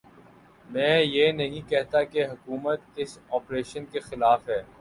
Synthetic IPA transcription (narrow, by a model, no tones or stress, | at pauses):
mɛ̃ːjenɐɦĩkɛɦt̪akeɦʊkuːmət̪ɪsɔːpɾeːʃənkexɪlaːfɦɛː